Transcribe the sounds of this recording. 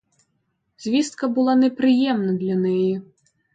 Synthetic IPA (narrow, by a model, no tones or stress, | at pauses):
zʲvʲist̪̚kɐbɨlˠanʲɛpɾɨjɛmnɐd̪lʲanɛjɛ